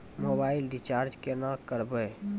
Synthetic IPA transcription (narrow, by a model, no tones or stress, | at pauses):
mobailɖit͡ʃaɾd͡ʒkenakəɾbəj